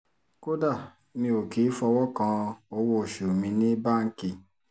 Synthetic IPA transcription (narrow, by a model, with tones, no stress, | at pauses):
ko˦da˦˨ | mĩ˧o˨ki˨˦fɔ˧wɔ˦kã˧o˧wo˦˨ʃu˨mĩ˧nĩ˦ba˦˨ŋ̩˦ki˧